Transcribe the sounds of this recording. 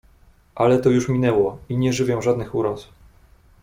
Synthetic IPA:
ʔalɛt̪ɔjuʂmʲinɛwɔiɲɛʐɘvʲjɛ̃ʐad̪nɘxuɾɔsu̥

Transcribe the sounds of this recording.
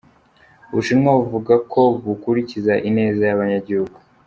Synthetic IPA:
βuʃimŋauvuɡakʰo̞βukuɾicizaʔine̞ːzajaβaɲaɟihuɡu

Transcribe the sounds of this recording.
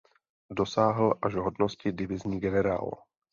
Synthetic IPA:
do̞saːɦl̩ʔaʒɦodnoscɪdɪvɪzɲiːɡɛnɛɾa̰ːlo

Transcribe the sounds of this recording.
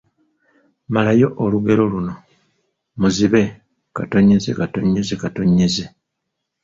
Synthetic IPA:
malajo̞ʔoluɡe̞ɾo̞luno̞ | muziβe̞ | kato̞ɲezḛkatoɲːezekatoɲːeze

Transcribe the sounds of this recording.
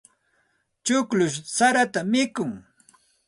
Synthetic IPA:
t͡ʃʊklʊʃsaɾat̪amɪkʊŋ

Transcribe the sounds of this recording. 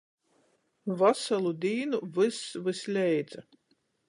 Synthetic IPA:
vasalˠud̪ʲiːnuvɨsvɨslʲɛjd̪za

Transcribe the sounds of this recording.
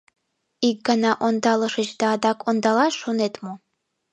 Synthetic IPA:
ik̚ɡɑnɑʔond̪ɑlˠɤʃət͡ɕd̪ɑːd̪ɑkʰond̪ɑlɑʃonet̪mo

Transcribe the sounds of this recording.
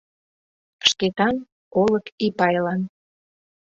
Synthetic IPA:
ʃket̪ɑn | oləkipɑjlɑn

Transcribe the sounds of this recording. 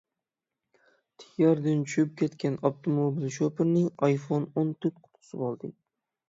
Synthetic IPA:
t̪ʰɪ̥ɡʲaɾd̪ɪnt͡ʃʰʊʃɪp̚kʲet̪kʲanabt̪ʰomobilʃopʰɪɾnɪŋɑjfonont̪ʰɪt̪qʰʊ̥t̪ʰʊ̥sɪbɒlˠd̪ɪkʲ

